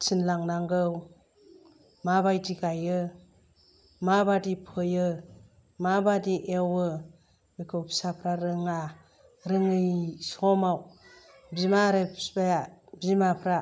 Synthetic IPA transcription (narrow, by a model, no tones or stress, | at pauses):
t͡ʃʰinlaŋnaŋɡɯw | mabajdiɡajɯ | mabadipʰɯjɯ | mabadiʔewɯ | mikʰɯwpsapʰɾaɾɯŋa | ɾɯŋɯjsɔmaw | bzimaɾepsbajabzimapʰɾa